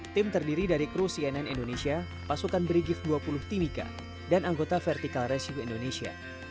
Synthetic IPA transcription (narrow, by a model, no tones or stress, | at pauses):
t̪ɪmt̪ərdiɾidaɾikɾusiɛnɛnindonesia | pasukanbɾiɡɪfduapulʊht̪imika̰ | danaŋɡot̪afɛrt̪ikalrɛsiuindonesia̰